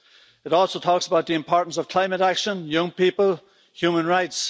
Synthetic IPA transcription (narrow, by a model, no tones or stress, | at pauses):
ɪɾɔlˠsotʰɔksəbaʊt̪̚ðiɨ̃mpʰɔɹʔn̩səv̥kʰl̥ãɪ̃məɾakʃə̃njʌ̃ŋpipəlˠ | hjʉmə̃nɹaɪts